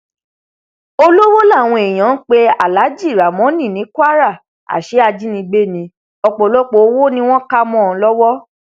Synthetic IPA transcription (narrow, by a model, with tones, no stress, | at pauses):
o˧lo˦wo˦la˦˨w̃ɔ̃˧e˨j̃ã˨˦k͡pe˦a˨la˨˦d͡ʒi˦˨ɾa˨mɔ̃˨˦nĩ˦˨nĩ˨˦kwa˦ɾa˦˨ | a̰˨ʃe˨˦a˧d͡ʒi˦nĩ˧ɡ͡be˦˨nĩ˧ | ɔ˧k͡pɔ˨lɔ˦k͡po˧˦wo˦nĩ˦w̃ɔ̃˦ka˦mɔ̃˦˨˧lɔ˦wɔ˦